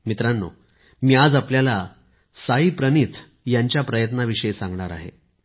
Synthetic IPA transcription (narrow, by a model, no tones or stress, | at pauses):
mit̪ɾanːo̰ | miːad͡zapljala | saiːpɾənit̪ʰ | jaɲt͡ɕjapɾəjət̪naʋiʂəesãŋɡɳaɾa̰ɦḛ